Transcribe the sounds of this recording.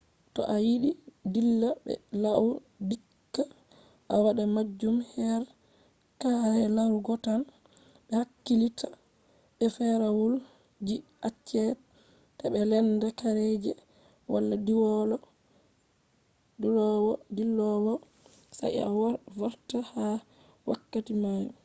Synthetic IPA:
tɔ̰ʔajiɗidilːabɛ̰law | dikːa | ʔawaɗamad͡ʒːumhɛɾ | kahɛlawɡɔtan | bɛhakːilitʰḁ | ɓɛfɛɾawul | d͡ʒiʔat͡ʃːɛ | tabɛlɛndakaɾed͡ʒɛ | wa̰lːadiwɔlɔ | duɾɔwɔdilɔwɔ | sa̰ʔa̰wvaɾtaha | wa̰kːatimaju

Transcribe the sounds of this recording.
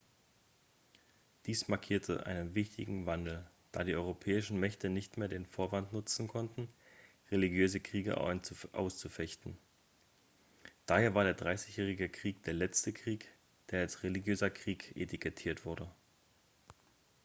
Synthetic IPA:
d̥iːsmaɐkʰiːɐtʰə̰ʔa̰ɪnənvɪçtɪ̰ɡŋ̩vandl̩ | d̥aːɾiːʔɔʏʁopʰɛːɪʃn̩mɛçtənɪçtmeːɐdeːnfoːɐvantnʊt͡sn̩kʰɔntn̩ | ʁeliɡjøːzəkʁ̥iːɡə̰ʔa̰ʊst͡sufɛçtn̩ | d̥aːheːɐvaːɐɾeːɐdʁaɪsɪçjɛːʁ̞ɪɡəkʁ̥iːk̚d̥eːɐlɛt͡stəkʁ̥iːk | d̥eːɐalsʁeliɡjøːzɐkʁ̥iːkʰʔḛtʰikʰɛtʰiːɐtv̥ʊɐdə

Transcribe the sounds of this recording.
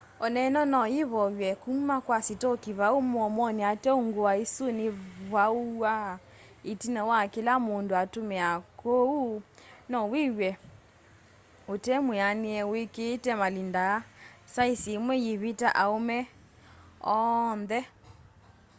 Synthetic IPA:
ɔnɛnɔnɔjiβɔwɛkumakwasitokiβaomɔmɔniatɛoŋɡowaesoneβaua | etinɔwakelamondoatomɛakounɔwewɛ | otɛmweaniɛweketɛmalindasaisemwɛjeβitaʔaomɛ | ɔnðɛ

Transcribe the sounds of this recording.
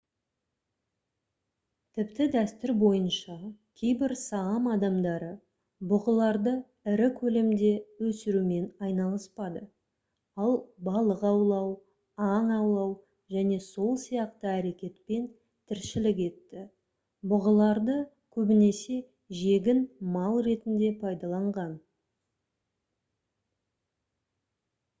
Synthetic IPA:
t̪ʰɪpt̪ɪd̪æst̪ʏɾbo̞jənʃɑkʲʰe̞jbɪɾsɑɑmɑd̪ɑmd̪ɑɾə | bʊʁəlˠɑɾd̪ə | ɪɾɪkʲʰɵle̞md̪e̞wɵsɪɾume̞nɑjnɑlˠəspɑd̪ə | ɑlˠbɑlˠəqɑwlˠɑw | ɑɴɑwlˠɑw | ʒæne̞so̞lˠsijɑq̚t̪əæɾe̞kʲe̞t̪pe̞n | t̪ʰɪɾʃɪlɪk̬e̞t̪ːɪ | bʊʁəlˠɑɾd̪ə | kʲʰɵbɪne̞se̞ | ʒe̞ɡʲɪnmɑlˠɾe̞t̪ɪnd̪e̞pʰɑjd̪ɑlˠɑɴʁɑn

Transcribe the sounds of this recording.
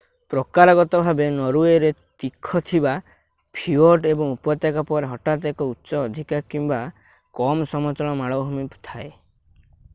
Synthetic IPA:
pɾɔkaɾɔɡɔt̪ɔbʱabenɔɾueɾet̪ikʰːɔt̪ʰiba | pʰiɔʈebɔŋupɔt̪jakɔpɔɾeɦɔʈat̪̬ekɔutːsɔːd̪ʱikakimba | kɔmsɔmɔt͡ʃɔɭ̃ɔmaɭɔwɦumipt̪ʰae

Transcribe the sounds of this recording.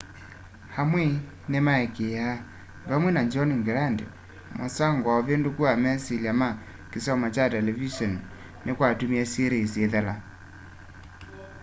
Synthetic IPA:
hamwɛ | nemaɛkeja | βamwɛnaɲd͡ʒɔniŋɡɛɾandɛ̰ | mɔsaŋɡwaɔβendukuamɛsilama | kisɔmat͡ʃatɛlɛviʃɔn | nekwatumiasiɾisiɛðala

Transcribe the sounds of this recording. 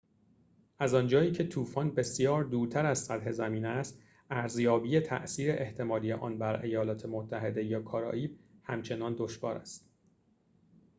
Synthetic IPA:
ʔæzɒnd͡ʒɒːjiːcʰe̞t̪ʰuːfɒːnbe̞sjɒːɾd̪uːɾt̪ʰæɾæzsæt̪ɦe̞zæmiːnæst̪ | æɾzjɒːbiːje̞t̪ʰæ̰ʔsiːɾe̞ʔeht̪ʰe̞mɒːlijḛʔɒ̰ːnbæɾe̞jɒːlɒːt̪ʰe̞mot̪ʰːæɦe̞d̪e̞jɒːkʰɒːɾɒ̰ːʔiːb̚hæmt͡ʃʰe̞nɒːnd̪oʃvɒ̰ːɾæ̰st̪

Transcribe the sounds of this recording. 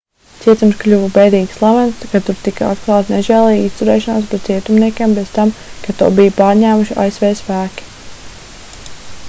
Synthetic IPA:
t̪siɛt̪umsklʲuvubɛjd̪iːɡslˠamɛnskat̪uɾt̪ikaa̰t̪klˠɑːt̪neʒɛːlˠɛjist̪uɾɛːʃanaːspɾɛt̪siɛt̪umniɛkʲeɛmbez̥t̪amkat̪uɔbijpaːɾɲæːmuʃia̰jsʋɛːspæːkʲi̥

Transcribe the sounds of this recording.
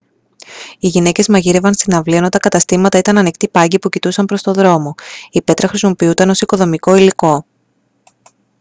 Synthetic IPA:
iʝine̞ce̞zmɐʝiɾe̞vɐnst̪inɐvlienot̪ɐkɐt̪ɐst̪imɐt̪ɐit̪ɐnɐnikt̪ipɐɲɟipucit̪usɐmpɾo̞st̪o̞ðɾo̞mo̞ipe̞t̪ɾɐxɾisimo̞piut̪ɐno̞siko̞ðo̞miko̞iliko̞

